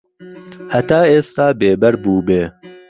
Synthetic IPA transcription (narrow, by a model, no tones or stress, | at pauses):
hɐt̪aːeːst̪aːbeːbɛɾbuːbeː